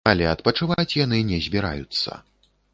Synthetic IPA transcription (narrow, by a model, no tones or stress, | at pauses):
ɐlʲɛɐt̪pɐt͡ʂɨvat͡sʲjanɨnʲɛzʲbʲiɾa̰jut̪sːɐ̰